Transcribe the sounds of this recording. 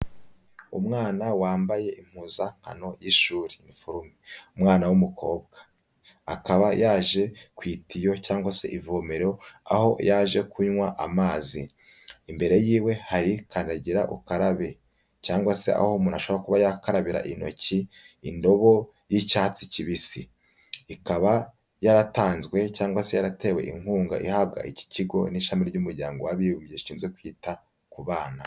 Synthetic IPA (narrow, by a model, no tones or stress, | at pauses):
umŋaːnawaːmbaje̞ʔim̥huːzaŋ̥ha̰no̞jiʃuːɾinifoɾumeumŋaːnawumukʰo̞ːbɡ̥ḁ | akaβajaːʒe̞kwiːtʰijo̞caːŋɡwase̞̰ʔivoːmeɾoa̰ho̞jaːʒe̞kuɲwaʔamaːziː | mbe̞ɾe̞jiːwe̞haɾikaːndaɟiɾaʔṵkaɾaβe | caːŋɡwase̞ʔa̰homunaʃoβoɾakuβajakaɾaβiɾa̰ʔino̞̰ci | indo̞βo̞ | jicaːt͡siciβisiː | kaβa | jaɾataːnzɡwe̞caːŋɡwase̞jaɾate̞ːwe̞̰ʔḭŋ̥huːŋɡa̰ʔihaːb̚ɡa̰ʔici̥ciɡo̞̰niʃamiɾɟumuɾɟaːŋɡo̞waβiβumbjeʃiːnzwekwiːta | kuβaːna